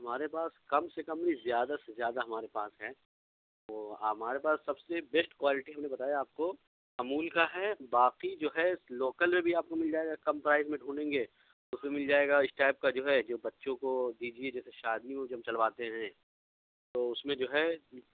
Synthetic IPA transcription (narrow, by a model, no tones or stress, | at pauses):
ɦɐmaːɾepaːskɐmsekɐ̃mɾizjaːd̪asezjaːd̪aɦɐmaːɾepaːsɦɛː | ʋoːamaːɾepaːsːɐbsebɛsʈkwaːlɪʈiɦɐmnebɐt̪aːjaaːp̚ko | ɐmuːlkaɦɛːbaːqid͡ʒoːɦɛɪsloːkəlmẽbʱiaːp̚komɪld͡ʒaːeːɡakɐmpɾaːɪzmẽɖʱũːnẽːŋɡeː | ʊsmẽmɪld͡ʒaːeːɡaɪsʈaːɪp̚kad͡ʒoːɦɛd͡ʒoːbɐtːʃõkod̪iːd͡ʒied͡ʒɛːseʃaːd̪iõd͡ʒiɦɐmt͡ʃɐlʋaːt̪eɦɛ̃ | t̪oːʊsmẽd͡ʒoːɦɛ